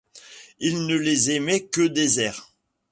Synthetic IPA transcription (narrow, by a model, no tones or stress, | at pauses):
ilnəlezemɛkəd̪ezɛʁ